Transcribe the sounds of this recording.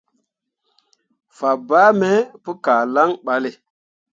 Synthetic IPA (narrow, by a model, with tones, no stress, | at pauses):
fa˨ba˦me˦pu˦kaː˨la˦ŋɓa˨le˨